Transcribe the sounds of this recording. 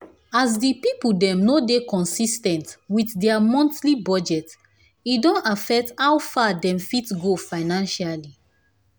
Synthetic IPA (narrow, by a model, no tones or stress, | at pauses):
az̬dipipuldɛ̃mnodekɔ̃nsistɛ̃ntwiθdɛamɔ̃ntlibɔd͡ʒɛt | idɔ̃nafɛk̚tawfadɛ̃mfitɡofaɪnãnʃali